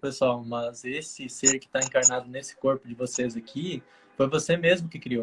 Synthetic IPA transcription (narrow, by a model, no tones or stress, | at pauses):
pesawmɐzesɪseɾkɪ̥t̪aẽkaɾnad̪ʊnesɪ̥koɾpʊd͡ʒɪvosezakʰi | fojvosemezmʊkɪkɾio